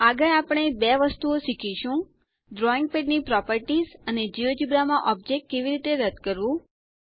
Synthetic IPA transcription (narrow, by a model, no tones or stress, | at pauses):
aɡəjapɽ̃ebɛʋəst̪uoʃikʰiʃũ | ɖɾɔiŋɡ̚peɖnipɾɔpəɾʈizəned͡ʒiʋd͡ʒibɾamãʔɔb̚d͡ʒek̚ʈ̚keʋiɾit̪eɾəd̪ʱkəɾʋũ